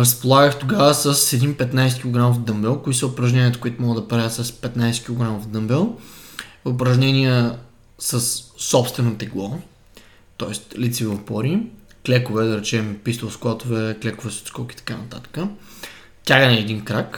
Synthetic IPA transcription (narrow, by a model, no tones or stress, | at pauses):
ɾɐspolˠaɡəxt̪oɡavəsɐsɛd̪inpɛt̪najsɛt̪kʲilˠoɡɾamofd̪ɤmbɛlˠkoisəʊpɾɐʒnɛniət̪ə̥kʊit̪ʊmɔɡəd̪ɐpɾajʲət̪sɐspɛt̪najsɛ̥t̪kʲilˠoɡɾamofd̪ɤmbɛlˠ | ʊpɾɐʒnɛniə | səsːɔpst̪vɛnot̪ɛɡlˠɔ | t̪ɔɛst̪lit̪sivɐfbɔɾiklɛkovɛd̪ɐɾɛt͡ʃɛmpist̪olˠsklˠat̪ʊvɛklɛkovɛso̥t̪skɔki̥t̪ɐ̥kanɐt̪at̪ə̥kə | t̪ʲaɡənɛːd̪inkɾak